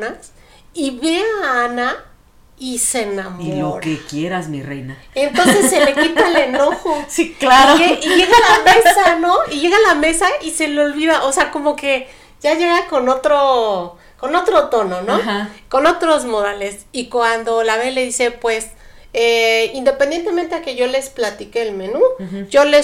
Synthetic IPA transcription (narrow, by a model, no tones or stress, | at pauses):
nas | iβe̞aana | ise̞namilooɾekjeɾazmirḛjna | ent̪o̞nse̞ssːele̞kit̪aele̞no̞xo̞siklaɾoeiʝe̞ɣalamessano̞iʝe̞ɣalame̞saise̞lolβiðaʔo̞seako̞mo̞ke̞ | ʝaʝe̞ɣako̞no̞t̪ɾo | ko̞no̞t̪ɾo̞t̪o̞no̞no̞ko̞no̞t̪ɾo̞zmo̞ðale̞sikwand̪o̞laβe̞le̞ðise̞pwe̞s | eind̪e̞pend̪je̞nt̪e̞ment̪e̞ake̞ʝo̞le̞splat̪ike̞ːlme̞nuʝo̞le̞